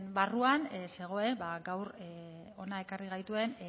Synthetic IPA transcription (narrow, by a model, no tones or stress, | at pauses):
mbaruanse̞ɣ̞o̞e̞baɡawɾ | o̞nae̞kariɣ̞ajt̪ue̞n